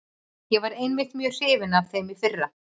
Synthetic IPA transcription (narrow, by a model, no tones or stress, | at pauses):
jɛvaɾejnmɪht̪mjœ̥ːr̥ɪːvɪnavθejmɪfɪrːa